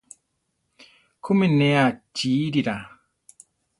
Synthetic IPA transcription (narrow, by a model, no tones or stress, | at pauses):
kʰumineat͡ʃiːɾiɾa